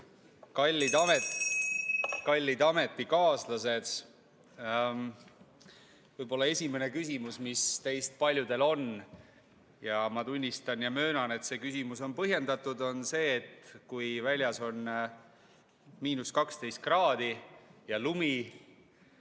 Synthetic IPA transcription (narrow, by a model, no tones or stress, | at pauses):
kɑlʲːid̪ɑmet̪ | kɑlʲːid̪ɑme̞t̪ːˑikɑːslɑse̞d̪̥ | vɤjb̥o̞lːɑe̞sʲime̞ne̞kysʲimusmist̪ejst̪̚pɑlʲjud̪̥e̞lo̞n | jɑmɑt̪unʲːist̪ɑnjɑmø̞ːnɑne̞t̪se̞ːkysimuso̞npɤɦje̞nd̪̥ɑt̪ːˑud̪o̞nse̞ːt̪kujvælʲjɑso̞n | miːnuskɑkst̪ejst̪̚krɑːd̪̥ijɑlumi